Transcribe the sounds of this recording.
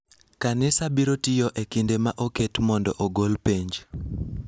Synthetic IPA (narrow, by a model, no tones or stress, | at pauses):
kanɪsabiɾotɪjɔʔekindemaʔoketmɔndɔ̰ʔoɡolpeɲd͡ʒ